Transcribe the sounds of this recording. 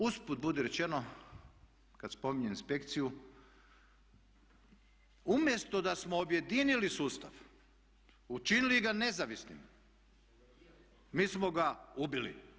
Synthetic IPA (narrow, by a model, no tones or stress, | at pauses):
usput̪̚bud̪eɾet͡ʃeno | kad̪spo̞miɲeinspe̞kt̪siju | umje̞st̪o̞d̪asmoːbje̞d̪inilisuːst̪a̰ʋ | ut͡ʃiniliɡane̞zaʋisnḭm | miːsmo̞ɡaubilḭ